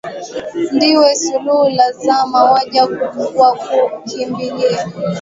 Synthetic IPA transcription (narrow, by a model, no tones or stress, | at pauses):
ndiwɛsuluhulazamawaʄakuɓuɡuakukʰimbilɛ